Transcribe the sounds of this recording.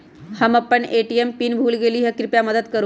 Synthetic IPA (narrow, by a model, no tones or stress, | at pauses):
həmapəɳeʈiempiːnbʱuːlɡeliːɦjakɾipjaməd̪əd̪kəɾu